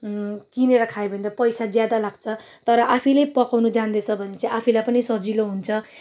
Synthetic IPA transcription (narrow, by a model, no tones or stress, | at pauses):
kineɾʌkʰaebʱʌnd̪apʌjsad͡zjad̪alaɡ̥t͡sʰʌ | t̪ʌɾʌʔapʰilejpʌkawnud͡zand̪et͡sʰʌbʱʌnet͡saĩapʰilajpʌnisʌd͡ziloɦunt͡sʰʌ